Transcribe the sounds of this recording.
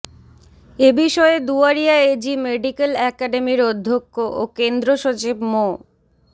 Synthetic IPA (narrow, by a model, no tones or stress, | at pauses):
ebiʃɔed̪uaɾijaed͡ʑimeɖikelɛkaɖemiɾod̪ʱːokːoʔokend̪ɾoʃot͡ɕibmo